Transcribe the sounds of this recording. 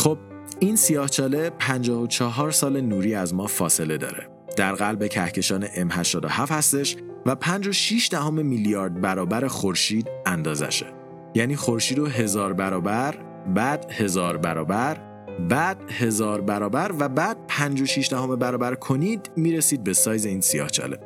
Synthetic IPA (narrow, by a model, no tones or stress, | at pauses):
χob̥̚ | insijɒːht͡ʃʰɒːle̞pʰænd͡ʒɒːhot͡ʃʰɒɦɒːɾsɒːle̞nuːɾiːæzmɒːfɒːse̞le̞d̪ɒ̰ːɾe̞̰ | d̪̥æɾɣælbe̞cʰæhcʰe̞ʃɒːne̞ʔemhæʃt̪ɒːd̪ohæfhæst̪e̞ʃ | væpʰænd͡ʒo̞ʃiʃd̪æhome̞miljɒːɾd̪̚bæɾɒːbæɾe̞xoɾʃiːd̪̚ænd̪ɒːzæ̰ʃe̥ | jæːniːxoɾʃiːd̪oɦe̞zɒːɾbæɾɒːbæɾ | bæːd̪̥he̞zɒːɾbæɾɒːbæɾ | bæd̪̥he̞zɒːɾbæɾɒːbæɾvæbæːd̪̥̚pʰænd͡ʒo̞ʃiʃd̪æɦome̞bæɾɒːbæɾkʰo̞niːd̪miːɾesiːd̪̚be̞sɒːjze̞iːnsijɒ̰ːht͡ʃʰɒ̰le̞̰